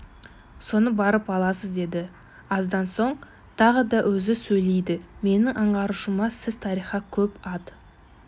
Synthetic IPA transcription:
so̞nəbɑɾəpɑlˠɑsəzd̪e̞d̪ɪ | ɑzd̪ɑnso̞ɴ | t̪ʰɑʁəd̪ɑʔwʔɵzɪsɵjlejd̪ɪme̞nɪŋʔɑɴʁɑɾuʃəmɑsɪzt̪ʰɑɾijχɑkʲʰɵpɑd̪

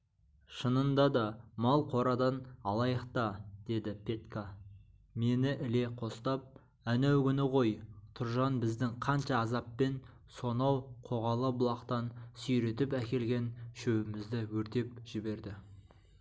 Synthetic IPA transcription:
ʃənənd̪ɑd̪ɑmɑlˠqʰo̞ɾɑd̪ɑnɑlˠɑjəq̚t̪ɑd̪̥e̞d̪ɪpʰʲe̞t̪ka | me̞nɪʔɪle̞qʰo̞st̪ɑp̚ | ænæwkʲʏnɪʁo̞jt̪ʰʊɾʒɑnbɪzd̪ɪŋqʰɑnʃɑːzɑpːe̞n | so̞nɑwqʰo̞ʁɑlˠəbʊlˠɑqt̪ɑnsʏjɾe̞t̪ɪpækʲe̞lɡʲe̞nʃɵwɪmɪzd̪ɪwɵɾt̪e̞p̚ʒ̥ɪbe̞ɾd̪ɪ

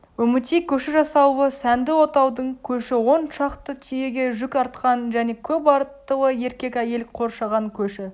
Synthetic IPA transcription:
wɵmɪt̪ijkʲʰɵʃɪʒɑsɑwəsænd̪ɪwo̞t̪ɑwd̪əɴkʲʰɵʃɪwo̞nʃɑqt̪ət̪ʰije̞ɡʲe̞ʒʏkʲɑɾt̪qɑnʒæne̞kʲʰɵpɑɾt̪ːəwˠəje̞ɾkʲe̞kʲæje̞lqʰo̞ɾʃɑʁɑŋkʲʰɵʃɪ

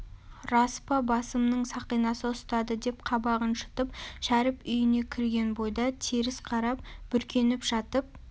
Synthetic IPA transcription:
rɑspɑbɑsəmnəɴsɑqijnɑsəʊst̪ɑd̪əd̪e̞p̚qʰɑbɑʁənʃə̥t̪əp̚ʃæɾɪpʏjɪne̞kʲʰɪɾɡʲe̞nbo̞jd̪ɑt̪ʰiɾɪsqʰɑɾɑp̚b̥ʏɾkʲʰe̞nɪpʒ̥ɑt̪əp̚

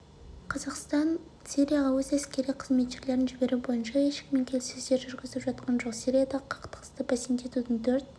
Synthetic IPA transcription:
qʰɑzɑqst̪ɑn | sʲiɾʲijaʁɑwɵzæskʲe̞ɾijqʰəzme̞t̪ʒeɾle̞ɾɪnʒɪbe̞ɾubo̞jənʃɑeʃɪ̥kme̞ŋkʲʰe̞lsɪzd̪eɾʒʏɾɡʲɪzɪlɪpʒɑt̪̚qɑnʒoqsiɾijɑd̪ɑqʰɑ̥qt̪ə̥qə̥st̪əpɑsent̪e̞t̪ut̪ɪnt̪ʰɵɾt̪̚

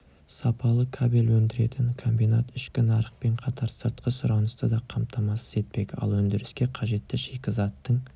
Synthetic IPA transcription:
sɑpɑlˠəkʰabelʲwɵnd̪ɪɾe̞t̪ɪŋkʰo̞mbijnat̪ɪʃkʲɪnɑɾəq̚pe̞ɴqʰɑt̪ʰɑɾsəɾt̪qəsʊɾɑnəst̪əd̪ɑqʰɑmt̪ʰɑmɑsəze̞t̪̚pe̞kʲɑ̰lˠwɵnd̪ɪɾɪskʲe̞qʰɑʒe̞t̪ːɪʃe̞kʲɪzɑt̪ːəɴ

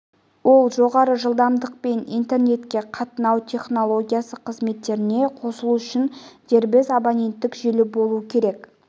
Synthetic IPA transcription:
wo̞lˠʒo̞ʁɑɾəʒəlˠd̪ɑmd̪əq̚pe̞nḭjnt̪e̞rne̞t̪kʲe̞qʰɑt̪ənɑwt̪ʲʰe̞χno̞lˠo̞ɡʲijasəqʰəzme̞t̪ːe̞ɾɪne̞qʰo̞səlˠuʏʃɪnd̪e̞ɾbɪzabonʲe̞nt̪ːɪkʒelɪbo̞lˠuəkʲʰe̞ɾe̞k

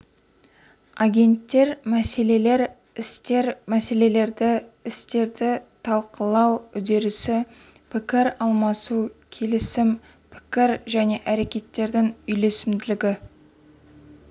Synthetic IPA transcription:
aɡʲe̞nt̪ːe̞ɾmæse̞le̞le̞ɾ | ɪst̪e̞ɾmæse̞le̞le̞ɾd̪ɪɪst̪e̞ɾd̪ɪt̪ʰɑlˠqʰəlˠɑwʏd̪e̞ɾɪsɪ | pʰɪkʲɪɾɑlˠmɑsukʲʰe̞lɪsɪm | pʰɪ̥kʲɪɾʒæne̞ʔæɾe̞kʲe̞t̪ːe̞ɾd̪ɪŋʏjle̞sɪmd̪ɪlɪɡʲɪ

